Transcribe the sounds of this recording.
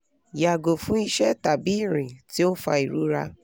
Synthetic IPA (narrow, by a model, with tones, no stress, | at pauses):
ja˨ɡo˨fũ˦i˦ʃɛ˦˨ta˨bi˦˨ɾĩ˨ti˦o˦fa̰˧i˨ɾu˦ɾa̰˦